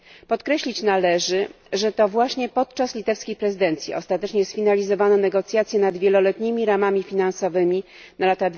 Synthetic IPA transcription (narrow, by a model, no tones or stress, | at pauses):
pɔt̪kɾɛɕlʲit͡ɕnalɛʐɘ | ʐɛt̪ɔvwaɕɲɛpɔt̪̚t͡ʂaslʲit̪ɛfskʲejpɾɛzɨd̪ɛnt̪sʲjḭɔ̰st̪at̪ɛt͡ʂɲɛsfʲinalʲizɔvanɔnɛɡɔt̪sʲjat̪sʲjɛnad̪vʲjɛlɔlɛt̪ɲimʲiɾamamʲifʲinansɔvɘmʲi | nalat̪ad̪